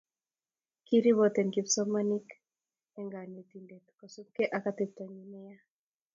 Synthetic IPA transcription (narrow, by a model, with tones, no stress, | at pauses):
ki˦ɾi˦βɔt̪ɛ˨nɡi˨fsɔ˦mani˦k | ɛ˦ŋɡa˨ni˨t̪i˨nde˨kkɔ˨su˦mke˦ʔa˨ka˦t̪ɪt̪ɔ˨ɲi˨nɪ˦ja˦